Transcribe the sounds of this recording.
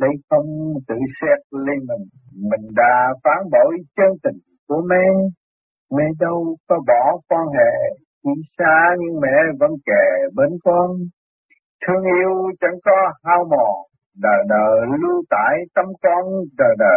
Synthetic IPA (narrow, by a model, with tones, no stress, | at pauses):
lə˧˦jxə˧wŋ͡mt̪ɨ̰˧˨sɛ˧˥t̚le˧mi˨˩ŋ | mï˨˩ŋ̟ɗa̰ː˧˥faː˨˦nɓo˧˨˩jt͡ɕəː˧ŋt̪ï˨˩ŋ̟ku˨˧˩əmɛ˧˥ | mɛ˧ɗə˧wkɔ˨˦ɓɔ˧˩˦kwa˧nhḛ˧˩˨ | ki˧˩˦saː˧ɲɨ˧ŋmɛ̰˧˥və̰˧˥nkɛ˨˩ɓe˧˦nkɔ˧n | t̪ʰɨ˧əŋʔi˧əwt͡ɕə˧˦ŋkɔ˨˦haː˧wmɔ˨˩ | ɗəː˨˩ɗəː˨˩lu˧t̪a̰ː˧˨jt̪ə˧mkɔ˧nɗəː˨˩ɗəː˨˩